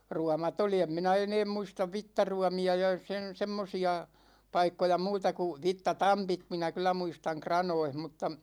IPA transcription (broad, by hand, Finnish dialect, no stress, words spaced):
ruɑmɑt oli em minæ eneːm muistɑʋ ʋitːɑruɑmiɑ jɑ sen̞ semːosiɑ pɑikːojɑ muːtɑ ku ʋitːɑtɑmpit minæ kylˑæ muistɑŋ krɑnoih m̩tːɑ